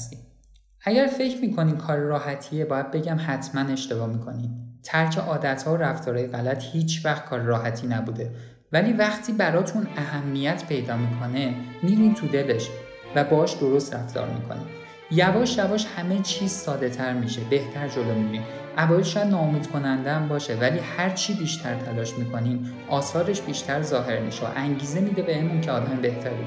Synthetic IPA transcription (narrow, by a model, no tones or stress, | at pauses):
si | æɟæɾfe̞cʰɾmiːkʰo̞niːmkʰɒːɾɾɒːɦæt̪ʰie̞bɒːjæd̪̚be̞ɟæmhæt̪ʰmæne̞ʃt̪e̞bɒːmiːkʰo̞nimt̪ʰæɾcʰe̞ʔɒːd̪æt̪hɒːoɾæft̪ɒːɾɒːjeɣælæt̪ʰhiːt͡ʃʰvæxt̪̚kʰɒːɾeɾɒːhæt̪ʰiːnæbuːd̪e̞ | væliːvæxt̪ʰiːbæɾɒːt̪ʰunæhæmːijæt̪ʰpʰe̞jd̪ɒːmiːkʰo̞ne̞miːɾint̪ʰud̪e̞le̞ʃ | væbɒːʃd̪o̞ɾo̞st̪ɾæ̰ft̪ɒ̰ːɾmḭkʰo̞̰nim | jævɒːʃjævɒːʃhæme̞t͡ʃʰiːz̥sɒːd̪e̞t̪ʰæɾmiʃebe̞ht̪ʰæɾd͡ʒo̞lomiɾiːm | ʔævɒːjelʃɔjæd̪nɒːomiːd̪kʰo̞nænd̪eæmbɒːʃe̞væliːhæɾt͡ʃʰiːbiːʃt̪ʰæɾt̪ʰælɒːʃmiːkʰo̞nim | ʔɒːsɒːɾe̞ʃb̥iːʃt̪ʰæɾzɒːɦe̞ɾmḭʃḛʔæŋɟiːze̞miːd̪e̞beenmuncʰeɒːd̪æmmbe̞ht̪ʰæɾbṵ